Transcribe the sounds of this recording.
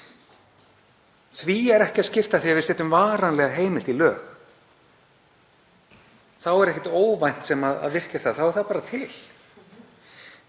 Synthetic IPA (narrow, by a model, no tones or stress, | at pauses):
θviɛɾɛhcɪaðscɪft̪aθiːavɪsɪːt̪ʏmvaːɾanlɛɣaɦeːjmɪl̥t̪ilœːx | θawɛɾɛhcɛ̥t̪oːwvajn̥t̪sɛmaða̰ðvɪr̥cḁθaðθawɛɾ̥θapaːɾat̪ʰɪl̥